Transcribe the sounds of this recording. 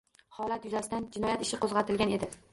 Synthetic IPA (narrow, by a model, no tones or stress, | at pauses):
hɒlat̪jʊzasɪd̪and͡ʒɪnɒjat̪ɪ̥ʃɪqʰozʁɑt̪ʰɪlɡʲane̞d̪ɪ